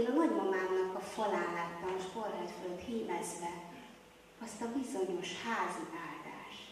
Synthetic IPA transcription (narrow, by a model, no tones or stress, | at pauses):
lɒnɒɟmɒmaːmnɒkɒfɒlaːlat̪nɒkorːɛt̪folt̪hiːmɛzvɛ | ɒst̪ɒbizo̞ɲo̞ʃhaːziaːld̪a̰ːʃt̪